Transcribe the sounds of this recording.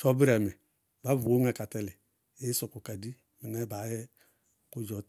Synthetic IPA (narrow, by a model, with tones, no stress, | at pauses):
t͡ʃɔ˦bi˦ɾɛ˨mi˨ | ba˦vu˨o˦ŋɛ˨ka˨tɛ˦li˨ | e˦sɔ˨ku˨ka˨di˦ | mi˨nɛ˦ba˨˦jɛ˦ | ku˦d͡ʒɔ˨˦t